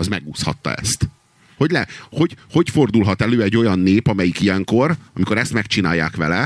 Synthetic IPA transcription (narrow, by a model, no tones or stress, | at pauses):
ɒzmɛɡuːshɒ̰t̪ːɒ̰ɛ̰st̪ | ho̞ɟlɛho̞ɟho̞cfo̞rd̪ulɦɒt̪ɛløːɛɟːo̞jɒnːeːpɒmɛjikijɛŋko̞rɒmiko̞ɾɛst̪mɛkt͡ʃina̰ːjːa̰ːkʋɛlɛ